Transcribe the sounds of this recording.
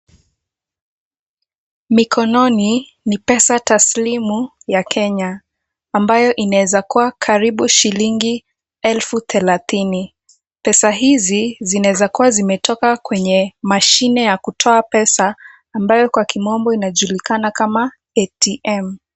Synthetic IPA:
mikʰɔnɔni | nipɛsataslimu | jakʰɛɲaː | mbajɔʔinaɛzakuwakʰaɾiɓuʃiliŋɡi | ɛlfuθɛlaθini | pɛsaɦizizinawɛzakuwazimɛtɔkakwɛɲɛmaʃinɛjakutʰɔapɛsaː | mbajɔkwakimɔmbɔinaʄulikanakama | ɛtiʔɛm

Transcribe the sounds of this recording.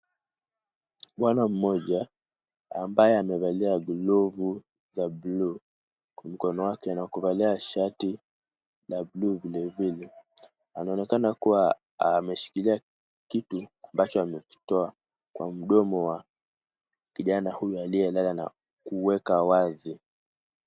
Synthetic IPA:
ɓwanam̩mɔʄa | ambajɛamɛvaliaɡlɔvu | zablu | kwam̩kɔnɔwakɛnakuvaliaʃati | labluːvilɛvilɛ | anaɔnɛkanakuwa | amɛʃi̥kilia | kituambat͡ʃɔamɛki̥tɔa | kwam̩ɗɔmɔwa | kiʄanahujualijɛlalana̰ | kuwɛkawazi

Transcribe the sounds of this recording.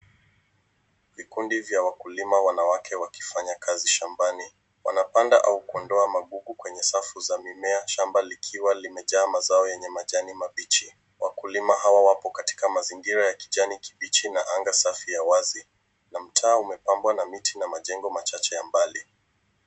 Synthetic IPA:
vikundivjawakulimawanawakʰɛwaki̥faɲakʰaziʃambani | wa̰napanda̰ʔaukuɔndɔamaɠuɡukwɛɲɛsafuzamimɛaʃambalikʰiwalimɛʄaːmazaɔjɛɲɛmaʄanimaɓit͡ʃi | wakulimaɦawawapɔkati̥kamaziŋɡiɾajaki̥ʄaniki̥ɓit͡ʃinaʔaŋɡasafijawazi | nam̩tʰaːumɛpambwanamitʰinamaʄɛŋɡɔmat͡ʃat͡ʃɛjambali

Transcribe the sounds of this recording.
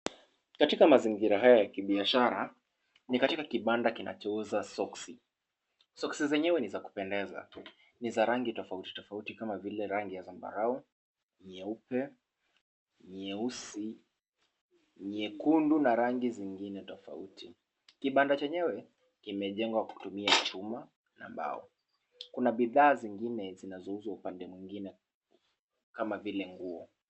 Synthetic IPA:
katikamaziŋɡiɾaɦajajakiɓiaʃaɾa̰ | nikatikakiɓandakinʔa̰t͡ʃɔuzasɔksi | sɔksizɛɲɛwɛnizaku̥pɛndɛza̰ | nizaɾaŋɡitɔfauti̥tɔfautikamavilɛɾaŋɡijazamba̰ɾau | ɲɛupɛ | ɲɛusi | ɲɛkundunaɾaŋɡiziŋɡinɛtɔfa̰utʰi | kiɓandat͡ʃɛɲɛwɛ | kimɛʄɛŋɡwaku̥tumiat͡ʃuma | na̰mba̰ɔ̰ | kunaɓiðaːziŋɡinɛzinazɔuzwaupandɛmwiŋɡinɛ | kamavilɛŋɡuɔ

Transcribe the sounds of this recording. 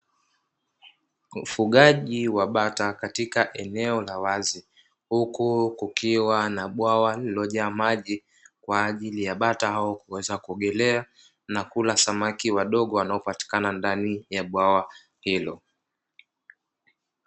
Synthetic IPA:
ufuɠaʄiwaɓatakatikaʔɛnɛɔlawazi | hukukukiwanaɓwawalilɔʄaːmaʄi | kwaːʄilijaɓatahaɔkuwɛzakuɔɠɛlɛa | nakulasamakiwaɗɔɠɔwanaɔpati̥kanandanijaɓwawa | hilɔ

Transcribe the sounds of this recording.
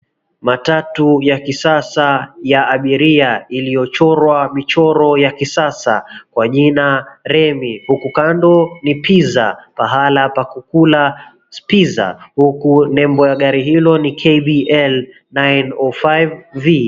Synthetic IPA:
matatujakisasajaːɓiɾiailijɔt͡ʃɔɾwamit͡ʃɔɾɔjakisasa̰kwaʄinaɾɛmihukukandɔnipiza̰paɦalapakukula | spiza̰hukunɛmbɔjaɠaɾiɦilɔnikʰɛjɓiɛl | najnɔfajvvi

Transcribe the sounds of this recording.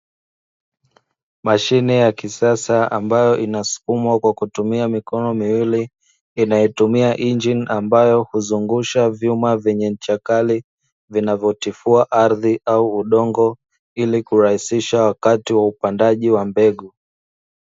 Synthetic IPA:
maʃinɛjakisasaa̰mbajɔʔinasu̥kumwakwakutumiamikɔnɔmiwiliː | najɛtumiaʔind͡ʒinambajɔhuzuŋɡuʃavjumavɛɲɛm̩t͡ʃakali | vinavjɔtifuaʔaɾðiʔauːɗɔŋɡɔ | ilikuɾahisiʃawakatiwaupandaʄiwambɛɠu

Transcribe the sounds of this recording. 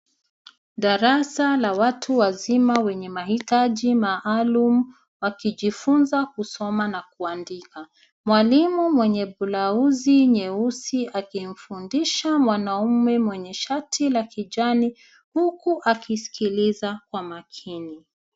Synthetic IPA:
ɗaɾasalawatʰuwazimawɛɲɛmahitaʄimaʔalumu | wakiʄifunzakusɔmanakuandika | mwalimumwɛɲɛɓulauziɲɛusiakim̩fundiʃamwanaumɛmwɛɲɛʃatʰilakiʄani | hukuʔakisi̥kilizakwamakʰini

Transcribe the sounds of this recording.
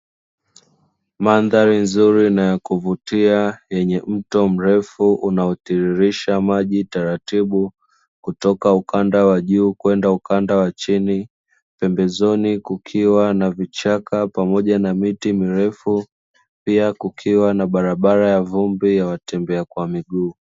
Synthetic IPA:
manðaɾinzuɾinajakuvutiajɛɲɛm̩tɔm̩ɾɛfuʔunaɔtiɾiɾiʃamaʄitaɾatiɓu | kutɔkaukʰandawaʄuːkwɛndaukandawat͡ʃini | pɛmbɛzɔnikukʰiwanavit͡ʃakapamɔʄanamitimiɾɛfu | piakukʰiwanaɓaɾaɓaɾajavumbijawatɛmbɛakwamiɠuː

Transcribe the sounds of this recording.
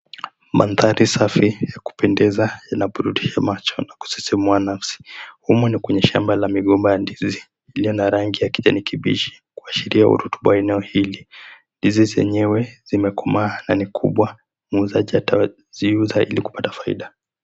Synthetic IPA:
mʔa̰nðaɾisafijaku̥pɛndɛzajanaɓuɾuɗiʃamat͡ʃɔnaku̥si̥simuanafsi̥humunikwɛɲɛʃa̰mbalamiɠɔmbajandiziː | lijɔnaɾaŋɡijakiʄa̰nikʰiɓḭʃi̥ | kuaʃiɾiahṵɾutu̥ɓawaɛnɛɔhili | ndizizɛ̰ɲɛwɛz̥imɛkɔmaːnanikʰṵɓwa | muzaʄiata | ziuzaʔiliku̥patḁfaḭɗa

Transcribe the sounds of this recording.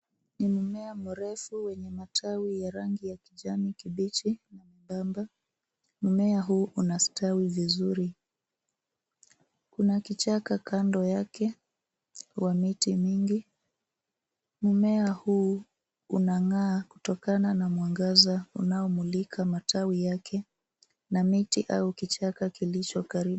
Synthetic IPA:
nimumɛamuɾɛfuwɛɲɛmatʰawijaɾaŋɡijakiʄamikiɓit͡ʃinamuɓamba | mumɛaɦuːʔunastawivizuɾi | kunakit͡ʃakakʰandɔjakɛ | wamitimiŋɡi | mumɛahuː | unaŋaːku̥tɔkananamwaŋɡazaṵnaɔmulikʰamatʰawijakʰɛ | namitiʔaukit͡ʃakakilit͡ʃɔkaɾiu

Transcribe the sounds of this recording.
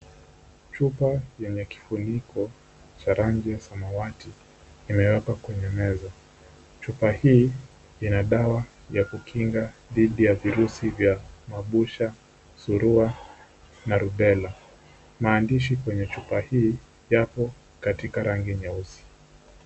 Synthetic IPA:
t͡ʃupajɛɲɛki̥funikʰɔ | t͡ʃaɾaɲɡɛsamawatiː | mɛɛkakwɛɲɛmɛzɔ | t͡ʃupahiː | inaɗawa | jakukʰiŋɡaðiɗijaviɾusivjamaɓuʃa | suɾua | naɾuɓɛla | maːndiʃikwɛɲɛt͡ʃupahiː | japɔ | katikaɾaŋɡiɲausi̥

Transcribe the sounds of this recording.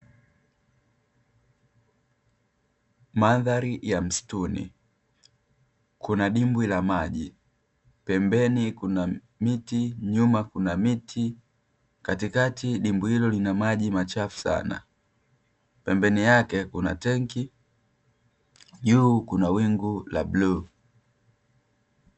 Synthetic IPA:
maðaɾijam̩stunḭ | kunaɗimbwilamaʄi | pɛmbɛnikuna | mitiɲumakunamitʰi | katikatiɗimbuhilɔlinamaʄimat͡ʃafu̥sa̰na̰ | pɛmbɛnijakɛkuna̰tɛŋki | ʄuːkunawiŋɡula̰bluː

